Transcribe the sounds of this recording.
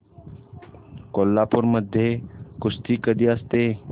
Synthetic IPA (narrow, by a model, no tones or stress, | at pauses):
koːlːaːpʊɾməd̪ʱjekʊst̪iːkəd̪iast̪eː